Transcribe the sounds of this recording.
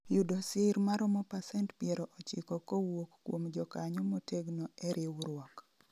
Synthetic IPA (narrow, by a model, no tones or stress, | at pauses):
judosɪɾmaɾɔmɔpasɛntpiɛɾɔʔot͡ʃɪkɔkowokːwomd͡ʒɔkaɲɔmoteɡnoɛɾɪwɾwɔk